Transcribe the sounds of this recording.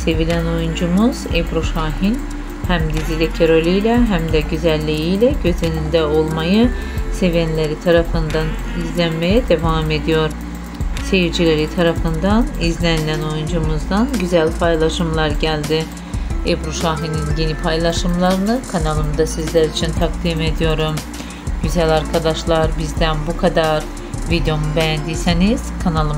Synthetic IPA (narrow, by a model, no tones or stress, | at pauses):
se̞vilʲæno̞jund͡ʒumuz̥ebɾuʃaːɦin | hæmd̪izilʲɛcʰeɾo̞lʲyjlʲɛɦæmd̪ɛɟyzælʲːejijlʲɛɟø̞zenind̪ɛo̞lˠmajɯ | se̞vɛnlʲeɾit̪ʰaɾafɯnd̪an | izlʲænme̞jɛd̪e̞vaːme̞d̪ijo̞ɾ̥ | sejiɾd͡ʒilʲe̞ɾit̪ʰaɾafɯnd̪anizlʲænilʲæno̞jund͡ʒumuzd̪anɟyzælʲpʰajlˠaʃɯmlˠaɾɟælʲd̪i | ebuʃaːɦininɟe̞nipʰajlˠaʃɯmlˠaɾɯnɯkʰanalˠɯmd̪asizlʲæɾit͡ʃʰint̪ʰak̚t̪ime̞d̪ijo̞ɾum | ɟ̥yzælʲaɾkʰad̪aʃlˠaɾbizd̪ænbukʰad̪aɾ | vid̪eo̞mubejænd̪ijse̞niz̥kʰanalˠɯm